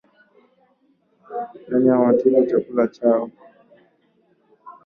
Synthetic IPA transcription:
naɲiawatilat͡ʃakulat͡ʃaɔ

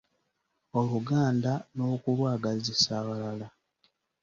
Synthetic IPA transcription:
o̞luɡaːndano̞kulwaːɡazisaːβalala

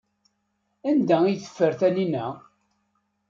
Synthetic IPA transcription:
ænd̪æijθə̥fːəɾθæninæ

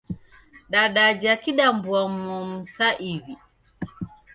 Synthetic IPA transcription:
ɗaɗad͡ʒakiɗambuamɔm̩saʔivi

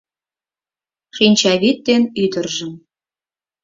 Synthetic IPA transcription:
ʃinʲt͡ɕɑβit̪̚ːenyd̪ə̆rʒə̆m

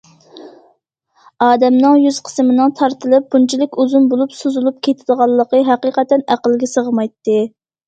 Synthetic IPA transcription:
ɑːd̪ɛmnɨŋjyz̥qʰə̥smɪnɨŋt̪ʰɑɾt̪ʰɨlˠɨp̚bunt͡ʃʰilɪkʲozunbolˠupsozulˠup̚kʲʰet̪ʰɪd̪əʁɑlˠːəqəɦæqiqɛt̪ːɛnæqəlˠɡʲɛsəʁəmɑjt̪ːɨ

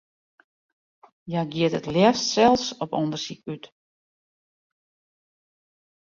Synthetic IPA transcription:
jaɡiətətljɛstsɛlˠfsɔpɔndərsikyt

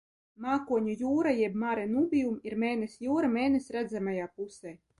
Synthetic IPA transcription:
maːkuɔɲʲujuːɾajɛbmaɾɛnubʲijumiɾmeːnesjuːɾameːnesʲɾæd̪zamajaːpusɛj

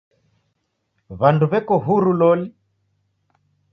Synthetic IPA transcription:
βanduβɛkɔɦuɾulɔli

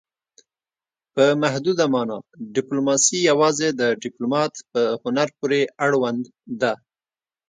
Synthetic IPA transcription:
pəmahd̪ud̪amɑnɑɖɪplomɑsijawɑzed̪əɖɪplomɑt̪pəhʊnaɾpuɾeaɽwand̪ː | a

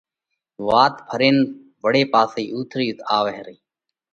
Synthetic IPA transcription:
ʋaːt̪pʰəɾeːn | bəɽeːpaːsiːʔuːt̪ʰɾiːt̪ʰaːʋəɦɾiː

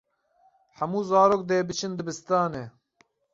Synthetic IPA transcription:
ħæmuːzɑːɾoːk̚d̪eːbɨt͡ʃʰɨnd̪ɨbɨst̪ɑːneː

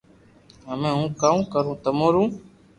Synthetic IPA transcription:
ɦəmẽːɦũːkaːũːkəɾũːt̪əmõːɾũː

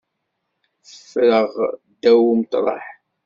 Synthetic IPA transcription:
θəfːɾəʁd̪æwumt̪ˤɾˤɑ̰ħ

